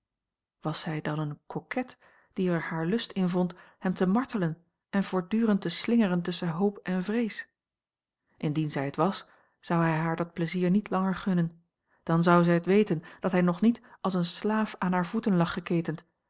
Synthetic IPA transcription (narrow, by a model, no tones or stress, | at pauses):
ʋɑsɛjdɑnənkʰɔkʰɛt | d̥iɛɹhaːɹlɵstɪnvɔnthɛmtəmɑɹtələn | ʔɛnvʊːɹdyːʁəntəslɪŋərəntɵsənɦowpɛnvrejs | ʔɪndinzɛjətʋɑs | z̥ɑwɛjɦaːɹdɑt̚pləziːɹnitlɑŋəɹχɵnən | d̥ɑnzɑwzɛjətʋejtənd̥ɑtɦɛjnɔχnitɑlˠsənslaːfaːnɦaːɹvutənlɑχːəkejtənt